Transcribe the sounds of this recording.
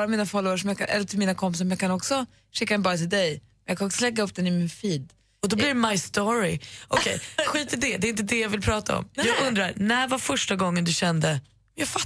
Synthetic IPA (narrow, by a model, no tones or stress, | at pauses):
ɾamiːnafɔləʂ̬ɔmjɑːkanʔɛ̰lːət̪ʰɪlmiːnakʰɔmp̬ɪs̬ɔmjɑːkʰanɔksɔ | ʂɪkːadɛnbɑːɾat̪ʰɪld̪ɛjmɛnjɑkʰanɔksɔlɛɡːaɵpːd̪ɛnɪmɪnfiːd̪ | ɔd̪ɔblɪɾɛmajst̪oɾɪɔkʰɛ̰jɧiːt̪ʰːɪd̪ɛd̪ɛɪnt̪̬əd̪ɛjɑvɪlpʰɾɑːt̪aɔ̰mjɑːɡɵnd̪ɾaɾnæɾvafœʂʈaɡɔŋːənd̪ɵɕɛnd̪ə | mjɑːfa